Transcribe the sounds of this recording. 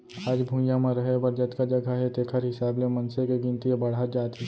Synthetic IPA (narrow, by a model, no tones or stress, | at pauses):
aːd͡ʒbʱũjãmẽɾɐɦebɐɾd͡ʒət̪kad͡ʒɐɡaɦet̪eːkʰəɾɦɪsaːblemɐnsekeɡɪ̃nt̪iebɐɽ̤at̪̚d͡ʒaːt̪i